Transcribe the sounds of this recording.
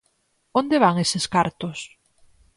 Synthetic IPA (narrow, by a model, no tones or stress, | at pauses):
ond̪eβaŋeseskaɾt̪ʊs